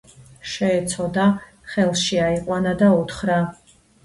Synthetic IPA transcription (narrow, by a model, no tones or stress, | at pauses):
ʃɛːt̪sʰɔd̪a | χɛlˠʃiaiqʼwanad̪aut̪ʰχɾa